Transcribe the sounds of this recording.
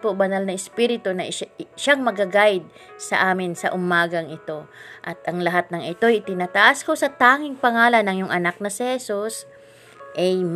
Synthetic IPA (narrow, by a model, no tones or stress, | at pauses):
pobɐnalnɐɪspiɾɪt̪onɐʔʃaŋmɐɡɐɡajd̪̚ | sɐ̰ʔaːmɪnsɐ̰ʔʊmaːɡɐŋɪt̪o̞ʔɐt̪ʔɐŋlɐɦat̪̚nɐŋɪt̪ojɪt̪ɪnaːt̪ɐʔasko̞sɐt̪aːŋɪŋpɐŋaːlɐnɐŋjʊŋʔɐnak̚nɐsɪhɛsus | ʔɐj